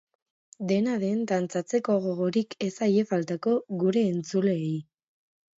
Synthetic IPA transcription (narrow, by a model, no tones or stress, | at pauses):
d̪e̞naðe̞nd̪ant͡sat͡se̞ko̞ɣo̞ɣ̞o̞ɾike̞saje̞falt̪ako̞ɣuɾe̞ːnt͡sule̞ːj